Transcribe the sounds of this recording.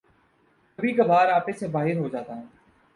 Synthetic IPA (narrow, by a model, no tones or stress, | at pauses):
əbʱiːkabaːɾaːpeːseːbaːɦɪɾɦoːd͡ʒaːt̪aːɦɛ̃ː